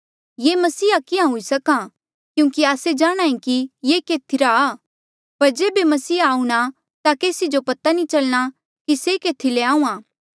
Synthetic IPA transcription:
jeːmɐsiːakɪãɦʊisɐkã | kjũːkiaːsed͡ʒaːɽ̃ãːĩkijeːkeːt̪ʰiɾaː | pɐɾd͡ʒeːbemɐsiːaːũɽ̃a | t̪akeːsid͡ʒopɐt̪anĩt͡ʃɐlɽ̃a | kisekeːt̪ʰileãːũːãː

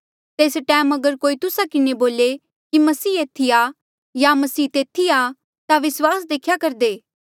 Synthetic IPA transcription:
t̪eːsʈɛːmɐɡəɾkoːit̪ʊsakɪneboːle | kimɐsiːeːt̪ʰia | jamɐsiːt̪eːt̪ʰia | t̪aʋɪswaːsd̪eːkʰjakɐɾd̪eː

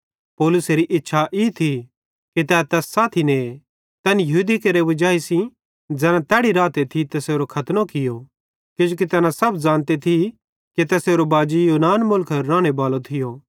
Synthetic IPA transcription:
pɔːlʊseɾiʔɪtːʃʰaʔit̪ʰi | kit̪ɛːt̪ɛːsːaːt̪ʰinẽ | t̪ɐnjɐɦuːd̪ikɐɾeʋɐd͡ʒaːisĩ | d͡ʒd͡zɛːnãt̪ɛːɽiɾaːt̪et̪ʰit̪ɐseːɾokʰɐt̪nokɪjo | kɪd͡ʒukit̪ɛːnãsɐbd͡ʒãːnt̪et̪ʰi | kit̪ɛːseːɾobaːd͡ʒijuːnaːnmʊlkʰɐɾːaːɽ̃ebaːlot̪ʰɪjo

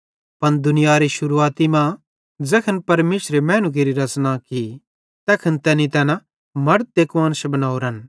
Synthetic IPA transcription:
pɐnd̪ʊnɪjaɾiʃʊɾuaːt̪imã | d͡zɛːkʰənpɐɾmeːʃɾemɛ̃ːnuɡ̬eɾiɾɐt͡snaki | t̪ɛːkʰənt̪ɛːnĩt̪ɛːna | mɐɾt̪̚d̪eːkʋaːnsɐbɐnaːoɾən

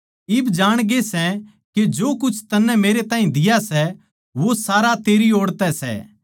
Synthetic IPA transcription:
ɪbd͡ʒaːɽ̃ɡesɛ | ked͡ʒoːkʊt͡ʃʰt̪ɐnːɛ̃meːɾet̪ãːɦĩd̪ɪjasɛ | ʋosaːɾat̪eːɾioːɽt̪ɛsɛ̰

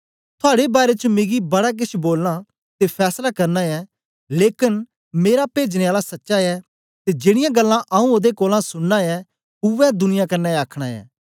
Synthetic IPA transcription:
t̪ʰʊaːɽebaːɾet͡ʃəmɪ̃ɡibɐɽak̬ɪt͡ʃʰboːlna | t̪epʰɛːslakɐɾnaɛ | leːkɪn | meːɾapeːd͡ʒñeaːlasɐtːʃaɛ | t̪ed͡ʒɪːɽ̃ɪjãɡɐlːãʔaũod̪ekoːlãsʊɽnaɛ | ʊʋɛ̃d̪ʊnɪjakɐɾnɛaːkʰɽ̃aɛ̰ː

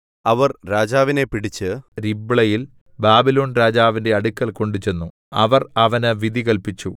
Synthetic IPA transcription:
ɐʋɐrɾaːd͡ʑaːʋine̞piɽit͡ɕːɨɾibɭɐjil | baːbilo̞ːnɾaːd͡ʑaːʋinde̞ɐɽukʲːɐlko̞ɳɖut͡ɕe̞nːu | ɐʋɐrɐʋɐnɨʋid̪ʱiɣɐlpit͡ɕːu

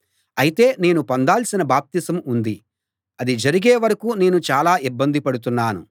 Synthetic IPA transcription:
ɐjit̪e̞ːne̞ːnupɐnd̪aːlsinɐbaːp̚t̪isɐmund̪i | ɐd̪id͡ʒɐɾiɡeːʋɐɾɐkuːne̞ːnut͡ʃaːlaːʔibːɐnd̪ipɐɽut̪̬unːaːnṵ

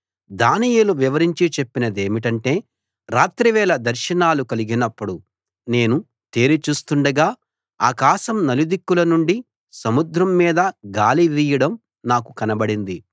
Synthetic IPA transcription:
d̪aːnijeluʋiʋɐɾiɲt͡ʃit͡ʃe̞pːinɐd̪e̞ːmiʈɐɳʈe̞ː | ɾaːt̪ɾiʋɛːlɐd̪ɐɾʃɐnaːlukɐliɡinɐpːuɽu | ne̞ːnu | t̪e̞ːɾit͡ʃuːst̪uɳɖɐɡaː | a̰ːkaːʃɐmnɐlid̪ikːulɐnuɳɖi | sɐmud̪ɾɐmːiːd̪ɐɡaːliʋiːjɐɽɐm | naːkukɐnɐbɐɽind̪i

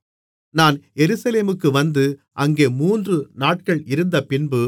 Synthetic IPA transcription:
naːnjɛɾɯsɐleːmɯkːɯʋɐnd̪ɯ | ʔɐŋɡeːmuːndrɯnaːʈkɐɭɪɾɯnd̪ɐpɪnbɯ

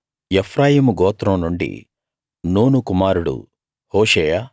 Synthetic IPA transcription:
epʰɾaːjiːmuɡɔːt̪ɾɐmnuɳɖḭ | noːnukumaːɾuɽṵ | hoːʃeːjaː

